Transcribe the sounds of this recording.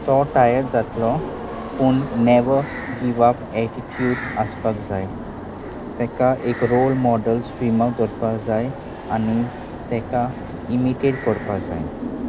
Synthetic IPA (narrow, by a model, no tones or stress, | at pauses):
t̪ɔʈajəɾd͡zat̪lɔ | puɳnɛʋə | ɡiʋapɛʈiʈʰjuːɖaspakd͡zaj | t̪ɛ̃kaʔekɾolmɔɖəlsʋimakd͡zɔɾpad͡zaj | ani | t̪ɛ̃ka | imiʈeɖkɔɾpad͡za̰j